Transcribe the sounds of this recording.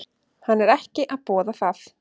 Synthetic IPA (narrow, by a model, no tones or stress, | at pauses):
hanːɛɾɛhcɪʔaðpɔːðaθaθ